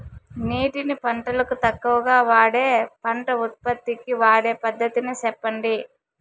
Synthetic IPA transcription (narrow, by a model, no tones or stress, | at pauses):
niːʈinipɐɳʈɐlɐkut̪ɐkːuʋɐɡaːʋaːɽeːpɐɳʈɐut̪̚pɐt̪ːikiʋaːɽe̞ːpɐd̪ʱːɐt̪inisɛpːɐɳɖi